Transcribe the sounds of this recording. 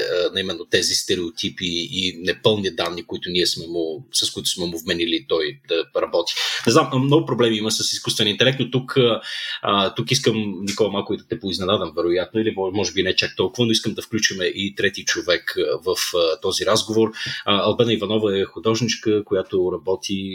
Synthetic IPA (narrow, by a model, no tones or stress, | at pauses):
ənɐimɛnːot̪ɛzist̪ɛɾɛot̪ʰipiːnɛpɤlˠnid̪anːikʊit̪ʊniɛsmɛmʊsɐskʊit̪ʊ̥smɛmʊvmɛnilit̪ɔjd̪ɐɾɐbɔt̪i̥nɛzammnɔɡʊpɾoblɛmiiməsəsiskust̪vɛnint̪ɛlɛk̚t̪not̪ukəət̪ukiskəmnikɔlˠɐmalˠkʊid̪ɐt̪ɛpʊiznɛnad̪əmvɛɾojat̪noilimmɔʒɛbinɛɛt͡ʃak̚t̪ɔlˠkʊvənoiskəmd̪ɐfklʲut͡ʃimɛʔit̪ɾɛt̪it͡ʃovɛkvəft̪ɔziɾazɡovoɾəɐlˠbɛnəivɐnɔvəɛxʊd̪ɔʒnit͡ʃkəkojat̪oɾɐbɔt̪ʰi